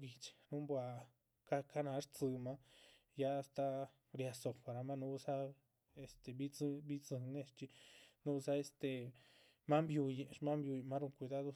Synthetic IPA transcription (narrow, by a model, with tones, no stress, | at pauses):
ɡi˧t͡ʃi̥˧nũ˦mbwa˧ | ka˧ka˦nã˧˦ʂt͡sɨ˧mã˧˦ | ja˦˧st̪a˧ | ɾi˧a˧so˧pa˧ɾa˧mã˦nũ˧˦u˧sa˦ | e˧st̪e˧βi˦t͡sbi˦t͡sɨ˧nẽ˧ʂt͡ʃi˧nũ˧sa˦e˧st̪e˨ | mã˦mbju˧je˧ʔmã˦mbju˧ji˧mã˦ɾu˧ŋkʷi˧ða˦ðo˧